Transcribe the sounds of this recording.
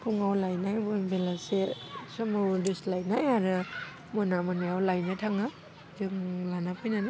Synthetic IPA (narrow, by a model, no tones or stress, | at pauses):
pʰuŋawlajnajbɔbelasesɔmawdislajnajaɾɯ | mɔnamanɯjawlajnɯtʰaŋɯ | d͡ʒɯŋlanapʰɯjnani